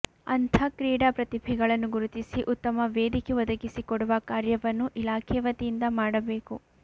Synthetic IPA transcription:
ɐ̰nt̪ʰɐkɾiːɽaːpɾɐt̪ibʱɛɡɐɭɐnːuɡuɾut̪isiʔut̪ːɐmɐʋeːd̪ikeʋɐd̪ɐɡisikɔɽuʋɐkaːɾjɐʋɐnːuʔilaːkʰɛʋɐt̪ijind̪ɐmaːɽɐbe̞ːku

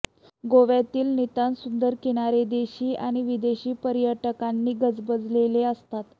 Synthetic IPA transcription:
ɡoʋjat̪iːlnit̪ansund̪əɾkeɽ̃aɾed̪eɕiːʔaɽ̃iʋid̪eɕiːpəɾjəʈəkanːiːɡəd͡zbəd͡zleleəst̪at̪

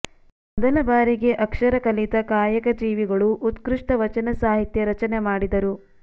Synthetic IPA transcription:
mɔd̪ɐlɐbaːɾiɡe̞ʔɐkʂɐɾɐkɐlit̪ɐkaːjɐkɐd͡ʒiːʋiɡɐɭuʔut̪kɾiʂʈɐʋɐt͡ʃɐnɐsaːɦit̪jɐɾɐt͡ʃɐnemaːɽid̪ɐɾu

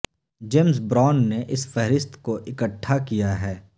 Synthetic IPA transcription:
d͡ʒeːmsbɾaːnːeʔɪsfɛɦɾɪst̪koʔɪkəʈʰːakijaɦɛː

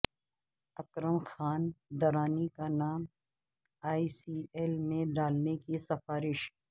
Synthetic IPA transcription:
ɐkɾəmxaːnd̪ɐɾaːnikanaːm | aːisiːelmẽɖaːlnekisɐfaːɾɪʃ

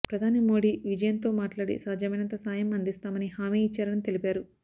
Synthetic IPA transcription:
pɾɐd̪ʱaːnimo̞ːɽiːʋid͡ʒɐjɐnt̪o̞ːmaːʈlaːɽḭsaːd͡ʒɐmɐjnɐnt̪ɐsaːjɐmɐnd̪ist̪aːmɐniɦaːmiːt͡ʃːaːɾɐɽɐnit̪e̞lipaːɾu

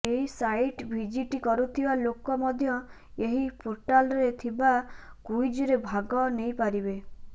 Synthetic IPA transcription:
eɦisajʈbʱid͡ʒiʈikɔɾut̪ʰibalokɔmɔd̪ʱjɔ | eɦipoɾʈalɔɾet̪ʰibakujd͡ʒɔɾebʱaɡɔnejpaɾibe

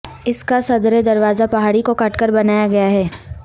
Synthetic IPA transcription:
ɪskasɐd̪ɾed̪ɐɾʋaːzapɐɦaːɽikokɐʈkəɾbɐnaːjaɡɐjaɦɛː

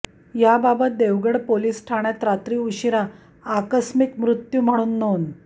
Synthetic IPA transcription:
jababət̪̚d̪eʋɡəɽpoliːsʈʰaɽ̃jat̪ɾat̪ɾiːuɕiɾaː | kəsmikmɾut̪juːm̤əɽ̃uːnːon

